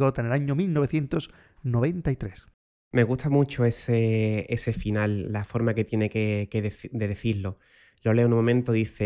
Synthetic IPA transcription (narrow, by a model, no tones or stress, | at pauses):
ot̪anelaɲomilnoβ̞eθje̞nt̪o̞s | noβ̞e̞nt̪ait̪ɾe̞s | me̞ɣuht̪amut͡ʃoeseese̞finalːafo̞ɾmake̞t̪je̞ne̞kekeðd̪e̞ðeθiɾlo | lo̞leonumomẽnt̪oðiθe